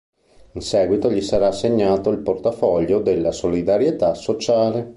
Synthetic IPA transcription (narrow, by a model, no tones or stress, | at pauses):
insɛːɡwit̪oʎisaɾaːsːeɲːaːt̪oilport̪afɔʎːod̪elːasolid̪aɾjet̪asːot͡ʃaːle